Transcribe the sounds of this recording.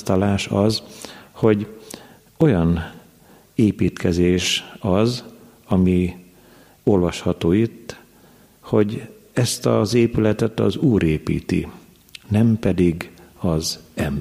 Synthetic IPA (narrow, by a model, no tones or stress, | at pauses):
t̪ɒlaːʃɒzho̞ɟ | o̞jɒn | eːpiːt̪kɛzeːʃɒz | ɒmi | o̞lvɒʃhɒt̪oːit̪ː | ho̞ɟ | ɛst̪ɒzeːpylɛt̪ɛt̪ɒ̰zuːɾʔeːpḭːt̪ḭ | nɛmpɛd̪iɡɒzɛm